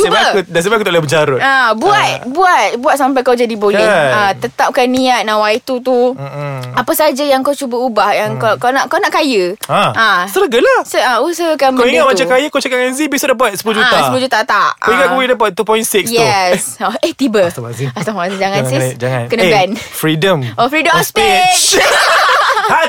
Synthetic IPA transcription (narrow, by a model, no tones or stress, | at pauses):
ibakdas̬əbakut̪aʔlabəd͡ʒaɾʊt̪abuat̪̚buat̪̚buat̪̚samp̬ajkawd͡ʒadibojiat̪ət̪ap̚kanːiat̪̚nawajt̪ut̪̬u | apəsad͡ʒajaŋkawt͡ʃubəubahjaŋkakanaʔkawnaʔkajəaʔãsələɡəlahsəusəhkanbkəwiŋat̪̚maakajəkawt͡ʃakaʔŋanzibisadap̬at̪̚sə̥pulud͡ʒut̪asəpulud͡ʒut̪at̪aʔkaiŋat̪̚kbidapat̪̚t̪ːupɔjĩnsikjɛsoeht̪ibəst̪aaziast̪aazid͡ʒaŋãnsisd͡ʒaŋankənəɡanfɾidəmɔfɾidəmɔfspe